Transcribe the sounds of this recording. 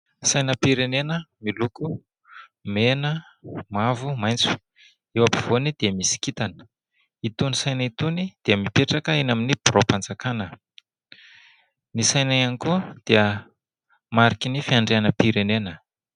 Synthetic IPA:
sajnəpiɾenenəmiluku | menə | mavumajnt͡su̥ | ewapiv̥onid̪̥eəmisi̥kit̪anə̥ | it̪unisajnəit̪unid̪̥eəmipeʈ͡ʂakəenaminib̥iɾopand͡zakanə | nisajnaanikud̪̥eə | maɾikinifiaɳɖ͡ʐeanəpiɾenenə

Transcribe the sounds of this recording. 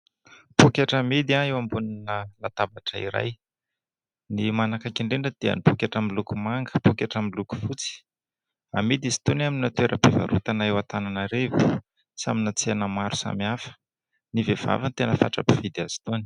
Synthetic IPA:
pukʲaʈ͡ʂəmid̪iaewambuninəlat̪abaʈ͡ʂəḭɾa̰j | nimanakakiɳɖ͡ʐeɳɖ͡ʐəd̪̥eə̰nipukʲaʈ͡ʂəmilukumaŋɡə̥pukʲaʈ͡ʂəmiluku̥fut͡si̥ | amid̪izi̥t̪unaminnat̪ueɾʔəpeva̰ɾut̪anewat̪ananaɾevi̥ | saminat͡senəmaɾusa̰miafə̥ | nivev̥a̰vənt̪enəfa̰ʈ͡ʂa̰pivid̪iazi̥t̪uni̥

